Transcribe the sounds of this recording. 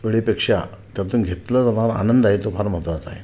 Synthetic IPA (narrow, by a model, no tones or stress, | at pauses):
ʋəɭipekʂat̪jat̪uːnɡʱet̪lət̪əm̤aɾa̰nənd̪aɦet̪opʰaɾm̤ət̪ʋat͡saɦe